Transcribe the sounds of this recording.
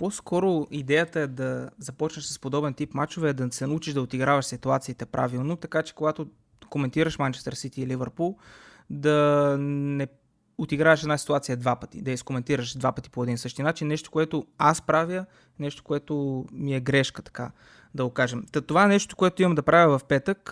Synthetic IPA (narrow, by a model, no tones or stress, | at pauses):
poskʰɔɾoid̪ɛjət̪əɛd̪ɐzɐpɔt͡ʃnəʃsə̥spod̪ɔbɛnt̪ipmat͡ʃovɛːd̪ɐsɛnɐut͡ʃiʃd̪ɐot̪iɡɾavɐʃsit̪uat̪siːt̪ɛpɾʔa̰vilˠnot̪ɐkat͡ʃɛ̥koɡat̪o | komɛnt̪iɾəʃmant͡ʃɛ̥st̪əɾsit̪iːlivəɾpulˠ | d̪ɐ | nɛ | ot̪iɡɾaɛʃɛd̪nasi̥t̪uat̪sijəɛd̪vapə̥t̪ḭd̪ɐiskomɛnt̪iɾəʃd̪vapət̪i̥poɛd̪insɤʃt̪iənat͡ʃinːɛʃt̪o̥koɛt̪oaspɾavjə | nɛʃt̪o̥koɛt̪omiɛɡɾɛʃkət̪ɐ̥ka | d̪ɐɡokaʒɛmt̪t̪ovaɛnɛʃto̥t̪o̥koɛt̪oimɐmd̪ɐpɾavʲəvɐfpɛt̪ək